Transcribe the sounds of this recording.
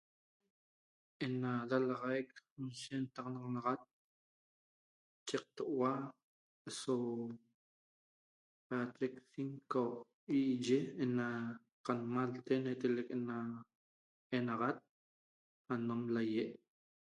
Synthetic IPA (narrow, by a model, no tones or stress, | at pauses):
ʔenad̪alaʁajk̚nʃent̪ɑqnɑʁɑnɑʁat̪̚ | t͡ʃeq̚t̪oʔwa | eso | pat̪eksiŋko | iʔʒeːna | qanmalt̪enet̪elekʔena | enɑʁat̪̚ | anomlajeʔ